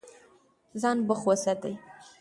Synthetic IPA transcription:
zɑnbəχwosad̪aj

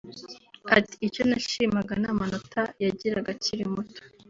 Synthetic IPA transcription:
ati̥ːco̞naʃimaɡanamano̞tʰajaɟiɾaɡaciɾimuto̥

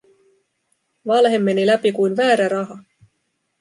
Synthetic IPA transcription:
ʋɑlɦe̞mːe̞nilæpikujnʋæːɾæɾɑɦɑ

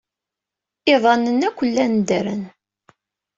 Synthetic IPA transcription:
ɪðˤɑnːənːækʷːəlːænd̪əɾən

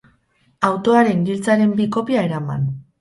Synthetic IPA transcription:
awt̪o̞aɾe̞nɡ̪ilt͡saɾe̞mbiko̞piae̞ɾama̰n

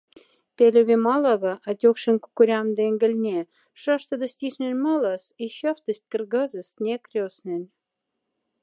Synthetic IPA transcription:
pʲelʲeβʲemɑlɑβɤʔɑt̪ʲokʃə̆nkukuɾʲɑmd̪eŋɡə̆lʲnʲe | ʃɑʃt̪ɤ̆d̪ə̆sʲt̪iʃnʲĕnʲmɑlɑsiɕɑft̪ə̆st̪̚ʲkə̆rɡɑzə̆st̪nʲekrʲosnʲĕnʲ

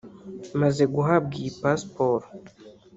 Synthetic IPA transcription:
mazeɡuɦab̚ɡiːpaspoɾo

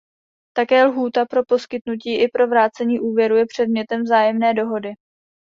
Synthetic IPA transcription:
t̪akɛːlɦuːt̪apɾo̞po̞skɪt̪nuciːʔɪpɾo̞vɾaːt͡sɛɲiːʔuːvjɛɾujɛpr̝̥ɛdmɲɛt̪ɛmvzaːjɛmnɛːdo̞ɦo̞dɪ

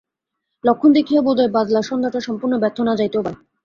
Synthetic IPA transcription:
lokʰːond̪ekʰijabod̪aebad̪laʃɔnd̪ʱat̪aʃɔmpuɾnobɛɾt̪ʰːonad͡ʑajt̪oba

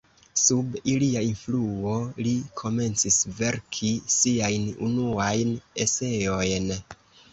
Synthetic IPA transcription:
subiliainfluo̞likʰo̞me̞nt͡sisve̞ɾkʰisiajnṵnuajne̞se̞o̞jn

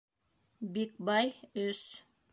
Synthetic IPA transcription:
bik̚bɑjɵs

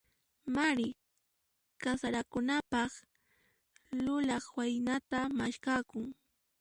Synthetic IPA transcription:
maɾɪ | kasaɾakʊnapɑχ | lʊlɑχwajnat̪amaʃkakʊŋ

